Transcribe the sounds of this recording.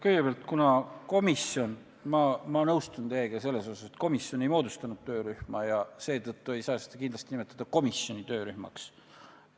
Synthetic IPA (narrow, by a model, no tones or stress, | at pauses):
kɤjɡ̥epeɑlt̪ˑkunɑko̞misjo̞n | mɑmɑnɤwst̪und̪eeɡ̥ese̞lːe̞so̞sɑse̞t̪̚ko̞misjo̞ne̞jmo̞ːd̪ust̪ɑnud̪̥̚t̪ø̞ːɾyhmɑjɑse̞ːt̪ɤt̪ːue̞jsɑːsed̪̥ɑkind̪lɑst̪inimet̪ˑːɑd̪̥ɑko̞misjo̞nit̪øːɾyhmɑ̰ks